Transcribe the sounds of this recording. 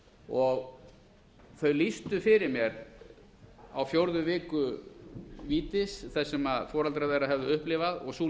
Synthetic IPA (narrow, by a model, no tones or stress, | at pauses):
ɔɣ | θœɥlist̪ʏfɪɾɪɾmjɛɾ | a̰wfjowɾðʏvɪːkʏ | viːt̪ɪsθɛsːɛmaðfɔːɾalt̪ɾaðejɾaðɦɛvðʏʏhplɪːvaðɔɣsuː